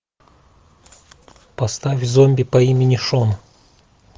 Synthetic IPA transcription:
pɐst̪afʲvzomʲbʲɪpɐimʲɪnʲɪʂon

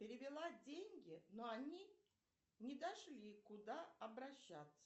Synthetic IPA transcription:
pʲɪɾʲɪvʲɪlˠadʲenʲɡʲɪnoɐnʲi | nʲɪd̪ɐʂlʲikʊd̪aɐbɾɐɕːat̪sə̥

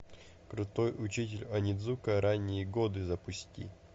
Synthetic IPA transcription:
kɾʊt̪ojʊt͡ɕitʲɪlʲɐnʲɪd̪zukəɾanʲːɪjəɡod̪ɨzɐpʊsʲtʲḭ

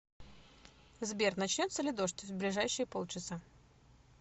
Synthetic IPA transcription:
zbʲert̪nɐt͡ɕnʲo̞t̪səlʲɪd̪o̞ʂt̪ʲvʲblʲɪʐajɕːɪjəpo̞lˠt͡ɕɪsa

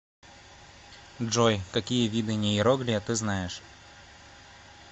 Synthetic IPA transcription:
dʐojkɐkʲijəvʲid̪ɨnʲeɪɾoɡlʲɪjət̪ɨznajɪʂ

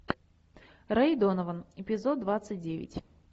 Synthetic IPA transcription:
ɾɐjd̪onəvənɪpʲɪzot̪̚d̪vat̪sɨt̚ʲdʲevʲɪ̰tʲ

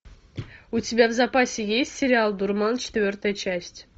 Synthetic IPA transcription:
utʲɪbʲavzɐpasʲɪjesʲtʲsʲɪɾʲɪalˠd̪urmɑnt͡ɕɪ̥t̪vʲɵrt̪əjət͡ɕæsʲtʲ

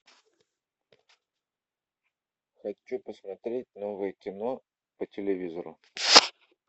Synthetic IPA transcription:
xɐt͡ɕːupəsmɐt̪ɾʲetʲnovɨjəkʲɪno | pətʲɪlʲɪvʲizəɾʊ̰

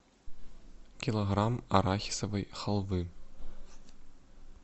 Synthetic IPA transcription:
kʲilˠoʁrɑmɑ̰ɾɑxʲi̥sɤ̆vɤjχɤ̆lˠvɯ

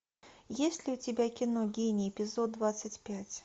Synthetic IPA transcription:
jesʲtʲlʲiut͡sʲɪbʲakʲinɔɡʲenʲiɛpʲizɔd̪̚dːvat̪sːət͡sʲpʲat͡sʲ

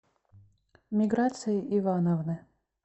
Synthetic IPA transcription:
mʲɪɡɾat̪sɨjɪʔivanəvnɨ

